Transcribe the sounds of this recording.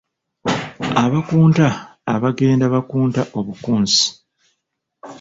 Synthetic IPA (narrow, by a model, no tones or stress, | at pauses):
aβakuːntaːβaɡe̞ːndaβakuːntaʔo̞βukuːnsi̥